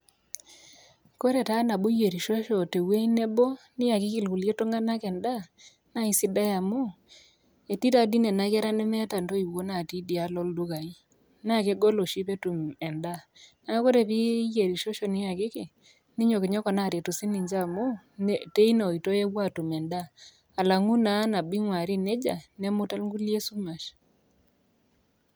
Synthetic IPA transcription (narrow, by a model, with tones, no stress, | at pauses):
ko˦ɾe˨ta˦na˨bu˦je˨ɾi˨ʃo˦ʃo˨te˨we˦i˦ne˦bo˦nɪ˦ja˨kɪ˦ki˨lku˨lje˦to˦ŋɡa˦na˦kɛ˨nda˦˨ | na˦i˨si˦da˦ja˨mu˦ | e˨ti˦ta˨di˦ne˨na˨kɛ˦ɾa˦ne˦mɛ˦ta˨nto˦i˨wo˦na˨ti˦di˨a˦lɔ˦ldu˦ka˨i˦ | na˦˨ke˦ɡo˦lo˨ʃi˦pe˦tu˨mɛ˨nda˦na˦ko˦ɾe˦˨βi˦je˨ɾi˨ʃo˦ʃɔ˦nɪ˦a˨kɪ˦ke˨ | nɪ˦ɲo˨ke˨ɲɔ˦kɔ˨na˨ɾe˨to˨si˦ni˨ɲd͡ʒa˦˨mo˦ | nte˦i˦n˨o˨i˨to˦je˦wa˦˨tu˨mɛ˨nda˦ | a˨la˨ŋu˦na˨˦na˨bi˦ŋwa˨ɾi˦ne˦d͡ʒa˨nɛ˦mo˦ta˦lŋɡu˦lje˦su˦ma˨ʃ